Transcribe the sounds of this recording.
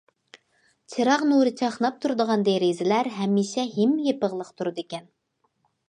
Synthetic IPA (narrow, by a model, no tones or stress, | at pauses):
t͡ʃʰeɾɑʁnuɾɨt͡ʃʰɑχnɑp̚t̪ʰuɾɨd̪əʁɑnd̪eɾezɪlæɾɦɛmːiʃɛɦimjepəʁlˠəqt̪ʰuɾɨd̪ekʲɛn